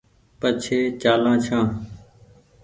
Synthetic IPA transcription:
pət͡ʃʰeːt͡ʃaːlãːt͡ʃʰãː

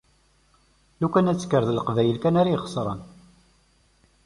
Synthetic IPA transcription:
lukænæt͡sːkːəɾðlqvæjəlkænaɾajχə̥sˤɾˤə̰n

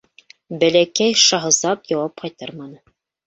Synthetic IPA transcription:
bælækæjʃɑɦɤ̆zɑpjɑwɑp̚qɑjt̪ɑɾmɑnɤ

